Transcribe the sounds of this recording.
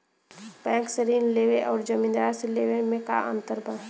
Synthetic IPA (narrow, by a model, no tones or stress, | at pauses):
pɛ̃ːŋksəɾiːnleːʋeʔɔːɾd͡ʒəmĩnd̪aːseleːʋemẽka̰ʔə̰̃nt̪əɾbə